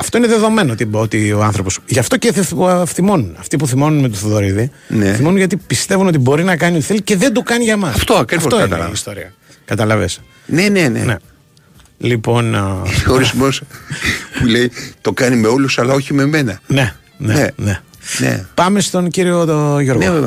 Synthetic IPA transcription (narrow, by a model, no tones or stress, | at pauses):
ɐft̪oineðe̞ðo̞me̞noot̪ibot̪io̞ɐnθɾo̞posʝɐft̪o̞ceθθimo̞nunɐft̪ipuθimo̞nunmet̪uθoðo̞ɾiði | neθimonunʝɐt̪ipist̪e̞vunot̪ibo̞ɾinɐkɐnioθilce̞ðe̞nd̪ukɐniʝɐmɐsɐft̪okɐft̪oinɐ̰ist̪oɾḭɐ̰ | kɐt̪ɐlɐves | nenenḛnḛ | lipo̞noɾizmos | pule̞it̪o̞kɐnime̞o̞lusɐlɐo̞çime̞me̞nɐne | nenene | nḛpɐme̞st̪onciɾio̞ʝo̞ɾɣoeve